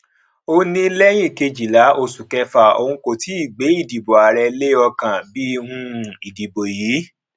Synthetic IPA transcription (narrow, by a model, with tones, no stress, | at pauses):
o˧nĩ˧lɛ˦j̃ĩ˦˨ke˧d͡ʒi˨la˨˦ʔo˧su˨kɛ˧fa˨o̰˧hũ˧ko˨ti˨˦i˦˨ɡ͡be˨˦i˦˨di˨bo˨a˨ɾɛ˧le˦ɔ˧kã˨bi˦˧hũ˧i˨di˨bo˨jiː˨˦